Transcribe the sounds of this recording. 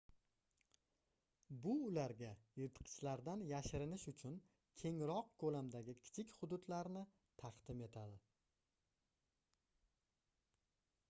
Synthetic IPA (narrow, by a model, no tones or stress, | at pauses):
bʊːlaɾɡʲajɪɾt̪ʰqʰɨ̥t͡ʃlaɾd̪anjaʃɪɾɪnɪʃʊt͡ʃʰʊn | kʲʰe̞ŋɾɒq̚kʰolamd̪aɡʲɪkʲʰɪ̥t͡ʃʰɪkʲhʊd̪ʊd̪laɾnɪ | t̪ʰɑqd̪ɪme̞t̪ʰad̪ɪ